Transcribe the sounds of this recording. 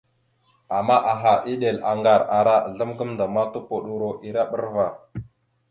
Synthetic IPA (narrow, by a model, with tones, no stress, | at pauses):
a˨ma˦ʔa˨ɦa˨ʔi˦ɗe˨la˨ŋɡa˨ɾa˨ɾa˦˨ɮə˦mkə˦mnda˨ma˦tu˦po˨ɗu˦ɾo˦ʔi˨ɾa˦ɓə˦ɾva˨